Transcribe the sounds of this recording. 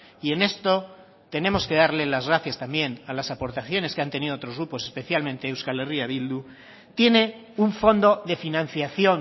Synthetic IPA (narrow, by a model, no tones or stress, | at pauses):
ie̞ne̞st̪o̞ | t̪e̞nẽ̞mo̞ske̞ð̞aɾlelazɣɾaθjast̪ambje̞nalasapo̞ɾt̪aθjo̞neskeant̪e̞niðoot̪ɾo̞zɣɾupo̞se̞spe̞θjalmẽnt̪e̞ːwskaleriaβild̪u | t̪je̞ne̞ | uɱfo̞nd̪o̞ðe̞finãn̟θjaθjo̞n